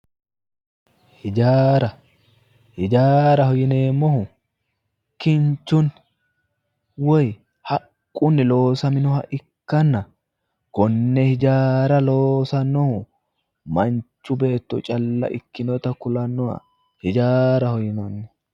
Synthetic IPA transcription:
hɪd͡ʒaːɾɐ | hɪd͡ʒaːɾɐhɔjɪneːmːɔhʊ | kːɪnt͡ʃːʊn | wɔj | hɐkʼːʊnːɪlo̞ːsɐmɪnɔhɐʔɪkːɐnːɐ | kɔnːɛhɪd͡ʒaːɾɐlo̞ːsɐnːɔhʊ | mɐnt͡ʃːʊbe̞ːt̪ːʊ̰t͡ʃʼɐlːɐ̰ʔɪkːɪnɔt̪ɐkʊlɐnːɔɐ̰ | hɪd͡ʒaːɾɐhɔjɪnɐnːɔ̥

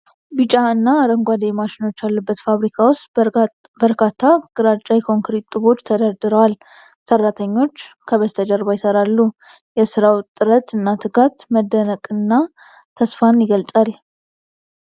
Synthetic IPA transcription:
bɨt͡ʃʼaɨnːaɾəŋɡʷad̪ejmaʃɪno̞t͡ʃːjalːubːət̪faβɾikʰawost̪ | bəɾkʰat̪ʰːaɡ̥ɨɾat͡ʃʼajkʰo̞ŋkɾit̪ʼːɨβo̞t͡ʃːt̪ʰəd̪əɾd̪ɨɾəwal | sərːat̪ʰəɲːo̞t͡ʃːkʰəβəst̪ʰəd͡ʒəɾbajɪsəɾalːu | jɛsɨɾawt̪ʼːɨɾət̪ɨnːat̪ʰɨkat̪məd̪ːənəkʼɨnːa | t̪ʰəsfanjɪɡəlt͡sʼal

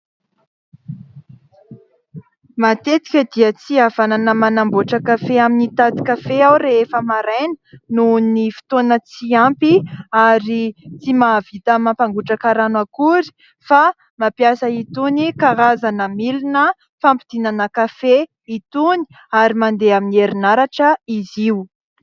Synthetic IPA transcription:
mat̪et̪i̥kʲəd̪iət͡siavananəmanamboʈ͡ʂəkafeaminit̪ad̪i̥kafeawɾeefəmaɾajnə̥nunifi̥t̪onət͡siampiaɾit͡simavit̪amapaŋɡuʈ͡ʂakaɾanakuɾi̥ | fa | mapjasəit̪unikaɾazanəmilinə | fampid̪̥inanəkafe | it̪uni̥ | aɾimand̪eaminieɾinaɾaʈ͡ʂəiziw

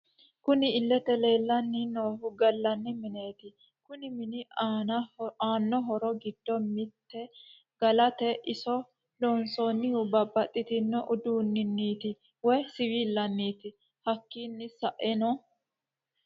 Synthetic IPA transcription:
kʊnɪːlːɛt̪ɛle̞ːlːɐnːɪnoːhʊɡɐlːɐnːɪmɪne̞ːt̪ɪ | kʊnɪmɪnɪnɐaːnːɔɦɔɾɔɡɪd̪̥ːɔmɪt̪ːɛ | ɡ̥ɐlɐt̪ɛʔɪsɔ | loːnsɔnːɪʊbɐbːɐt̪ʼːɪt̪ɪnːɛʔʊd̪uːnːɪnːiːt̪ɪ | wɔjsɪwiːlːɐnːiːt̪ɪ | hɐkːiːnːɪsɐʔɛnɔ

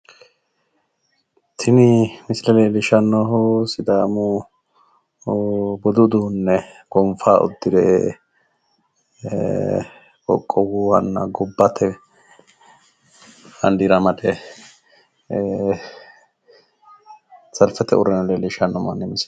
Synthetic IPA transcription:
t̪ʰɪnɪmɪslɛlelɪʃɐnːɔɦɔsɪd̪aːmʊ | bɔd̪ʊd̪uːnːɛ | ɡ̥ɔmfaːʔʊ̰d̪ːɪd̪eː | wɔ̰kʼːɔwuːwɐ̰nːɐɡɔbːɐt̪ʰɛ | hɐnd̪iɾɐmɐd̪ɛ | t͡sɐlfɛt̪ɛʊ̰ɾɛnɐlelɪʃɐnːɔmɐnːɛmɪs

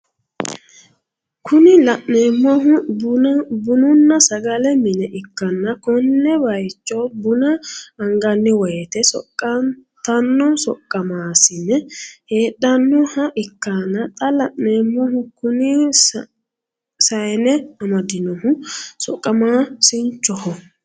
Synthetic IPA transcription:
kʰʊnɪlɐʔneːmːɔɦʊbbʊnʊnːɐsɐɡɐlɛmɪnɛʔɪkːɐnːɐkɔnːɛbɐjt͡ʃːɔbʊnɐɐŋɡɐnːɪwɔjɛt̪ɛsɔ̰kʼːɐ | t̪ɐnːɔsɔkʼːɐmaːsɪnːɛheːɗːɐnːɔhɐʔɪkːanːɐt̪ʼɐlɐʔneːmːɔɦʊkʊnɪ | sɐjnɛɐmɐd̪ɪnɔhʊsɔkʼːɐmaːsɪnt͡ʃːɔhɔ

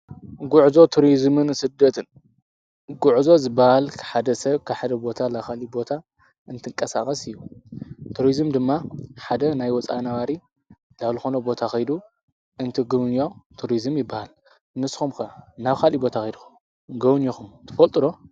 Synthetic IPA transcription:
ɡuʕzo̞t̪ʰuɾizmɨnsɨd̪ːɐt̪ʰɨn | ɡuʕzo̞zɨbːahalkʰħad̪ɐsɐβkʰaħad̪ɐbo̞t̪ʰalaxalibo̞t̪ʰa | ʔɨnt̪ʰɨŋkʼɐsaxʼɐsɨjːut̪ʰuɾizmd̪ɨmːaħad̪ɐnajwɔt͡sʼa̰naβaɾi | laβlɨxo̞nɐbo̞t̪ʰaxɐjd̪u | ʔɨnt̪ʰiɡɨβnjot̪ʰuɾizɨmjɪbːahal | nɨsxumkɐnaβkʰalibo̞t̪ʰaxɐjd̪uxum | ɡɐβnjoxumt̪ʰɨ̥fɐlt̪ʼɨɾo̞

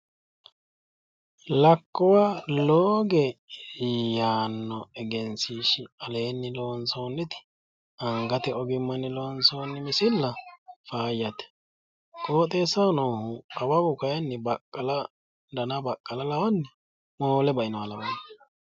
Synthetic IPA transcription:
lɐkːɔwaloːɡɛ | jaːnːɔɛɡɛnsiːʃɪɐleːnːɪloːnsoːnːɪt̪ɪ̥ | ɐŋɡɐt̪ɛɔɡɪmːɐnːɪloːnsoːnːɪmɪsɪlːɐfaːjːɐt̪ɛ̥ | kʼo̞ːt̪ʼeːsːɐnoːhʊɐwɐbʊkɐjɐnːɪbɐkʼːɐlɐ | d̪ɐnɐbɐkʼːɐlɐlɐwɔnːɛ | moːlɛbɐʔɪnɔɐlɐbɐ

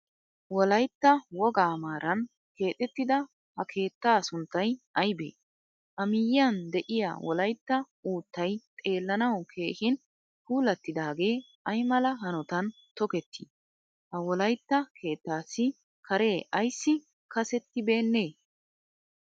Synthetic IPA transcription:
wɔlɐjt̪ːɐwɔɡaːmaːɾʔɐn | ke̞ːt̪ʼɛt̪ːɪd̪ɐ | hɐkʰe̞ːt̪ːaːsʊnt̪ːɐjɐjbḛː | ʔɐmɪjɪɐnd̪ɛʔɪja̰wɔlɐjt̪ːɐ | uːt̪ːɐjt̪ʼe̞ːlːɐnɐwkʰe̞ːhɪn | huːlɐt̪ːɪd̪aːɡe̞ː | ɐjmɐlɐɦɐnɔt̪ɐn | t̪ɔkɛt̪ʰːi | hɐwɔlɐjt̪ːɐkʰe̞ːt̪ːaːsːɪ | kʰɐɾe̞ːʔɐjsːɪ | kɐsɛt̪ːɪbe̞ːnːeː

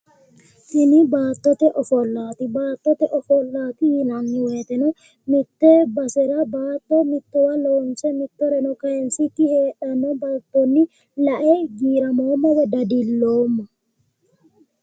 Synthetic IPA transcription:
t̪ɪnɪbaːt̪ːɔt̪ɛʔɔfɔlːaːt̪ɪbaːt̪ːɔt̪ɛʔɔfɔlːaːt̪ɪjɪnɐnːɪweːt̪ɛnɔ | mɪt̪ːɛbɐsɛɾɐbaːt̪ːɔmɪt̪ːɔwɐloːnsɛmɪt̪ːɔɾɛnɔkɐjɛnsɪt̪ːɪheːᶑɐnɔbɐlt̪ːɔnːɪ | lɐʔeɡiːɾɐmoːmːɔwɐd̪ɐd̪ɪlːoːmːɔ

